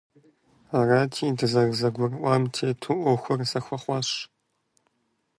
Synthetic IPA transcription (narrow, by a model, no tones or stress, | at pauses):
aːraːtʰiːdɨzɐrzɐɡʷʊrʔʷaːmtʰeːtʰuʔʷɔxʷʊrzɐxʷɐχʷɑːɕ